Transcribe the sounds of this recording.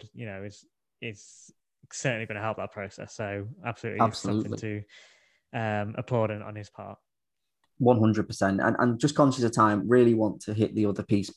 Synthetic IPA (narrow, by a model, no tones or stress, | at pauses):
jənoʊɪz̥ | ɪz̥ | sɜˑʔn̩liɡʌñəɦɛlˠp̚ðəʔpʰɹ̥əʊsɛ̰soʊab̥səlʉ̰ˑʔliab̥səlʉːˑʔɪ̃l̰tʰə | ʌ̃mə̰pʰɔːɾə̃ñn̩ɪz̥pʰɑ̰ˑt̚ | wʌ̃nɦʊ̃ndɹəd̚pʰəsɛ̃ntə̰̃nʔə̰̃nd͡ʒʌskʰɒ̃nʃəsə̥tʰãɪ̃mɹɪəliwɒ̃ntʰəɦɪʔðiʊðəpʰiˑs